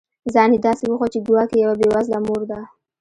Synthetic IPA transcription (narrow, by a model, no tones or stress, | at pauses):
zɑnid̪ɑsewəxwat͡ʃeɡ̪uwɑkejawabewazlamoɾd̪a